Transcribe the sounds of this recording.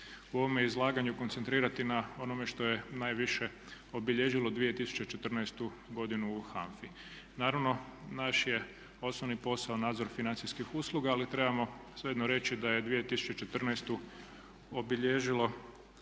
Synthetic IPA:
uo̞ʋomjeizlˠaːɡaɲuko̞nt̪sent̪ɾiːɾat̪inao̞no̞me̞ʃt̪o̞je̞najʋiʃe̞ | obiʎeʒilod̪ʋije̞t̪isu̥t͡ɕe̞t͡ʃet̪r̩najst̪u | ɡo̞d̪inuːxa̰ɱfi | naːɾaʋno̞naʃje̞ | o̞snoʋnipo̞saonaːd̪zo̞ɾfinant̪siskixuslˠuɡaːlit̪ɾe̞bamo̞seed̪noɾe̞t͡ɕid̪aje̞d̪ʋije̞t̪isu̥t͡ʃe̞t͡ʃe̞t̪r̩najst̪u | obiʎeʒilo̞

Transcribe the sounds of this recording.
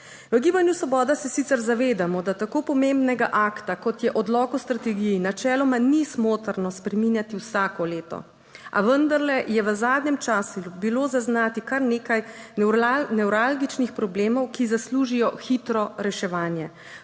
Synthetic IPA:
ʋəɡiːbanjusʋɔbɔːd̪asɛsit̪sɛɾzaʋeːd̪amɔd̪at̪akopɔmembnɛɡaʔaːkt̪akɔt̪jɛʔɔd̪lɔːkust̪ɾat̪ɛɡijinat͡ʃɛːlɔmanismoːt̪əɾnɔspɾɛminjat̪iwsaːkɔleːt̪ɔ̰ | ʔa̰ʋənd̪aɾlɛjɛʋəzaːd̪ɲɛmt͡ʃasubilozaznaːt̪ikaɾneːkaj | nɛwɾalɡit͡ʃnixpɾɔbleːmɔwkizasluːʒijɔxit̪ɾɔɾɛʃɛʋaːnjɛ

